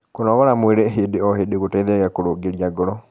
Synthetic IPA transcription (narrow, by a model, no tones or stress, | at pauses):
konɔɣɔɾamweɾɛɦeːdeɔɦedeɣotɛiðeɣakoɾoɡeɾiaɡɔɾɔ